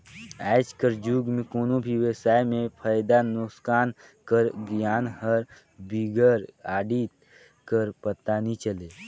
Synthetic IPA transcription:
aːɪd͡ʒkəɾd͡ʒuːɡmẽkoːnõbʱiwesaːjmẽpʰaːjd̪anʊkskaːn | kəɾɡjaːnɦəɾ | biɡəɾaːɖiːt̪ | kəɾpət̪aːnit͡ʃəleː

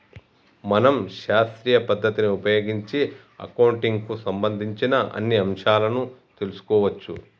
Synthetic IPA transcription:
mɐnɐmʃaːst̪ɾiːjɐpɐd̪ʱːɐt̪iniupɐjoːɡiɲt͡ʃi | ɐ̰kɐwɳʈiŋɡkusɐmbɐnd̪ʱiɲt͡ʃinɐɐ̰nːiɐmʂaːlɐnut̪e̞lusu̥kɔːʋɐt͡ʃːu

